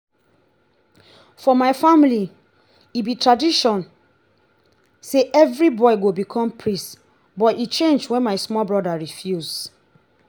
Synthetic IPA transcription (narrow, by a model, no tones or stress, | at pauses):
fɔmaɪfamili | ibitɹadiʃɔ̃n | seʔɛvɹibɔiɡobikʰɔ̃mpʰɹist | bɔtit͡ʃẽnd͡ʒwɛ̃nmaɪsmɔlbɹɔdaɹifjuz